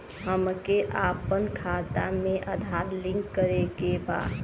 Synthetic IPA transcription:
həmkeʔaːpənkʰaːt̪a̰mẽʔəd̪ʱaːɾlɪ̃ŋkːəɾekeba̰ː

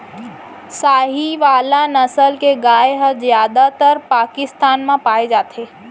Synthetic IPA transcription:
saɦiʋalanəsəlkeɡajɦəd͡ʒjad̪at̪əɾpakist̪anmẽpaed͡ʒat̪ʰe

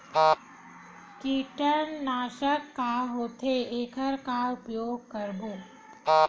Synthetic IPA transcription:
kiːʈəɾnaːʃəkːaɦoːt̪ʰeeːkʰəɾkaʊpjoːɡ̚kəɾboː

